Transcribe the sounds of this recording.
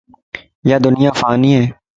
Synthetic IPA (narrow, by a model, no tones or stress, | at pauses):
jaːd̪ʊnijãːfaːniɦɛː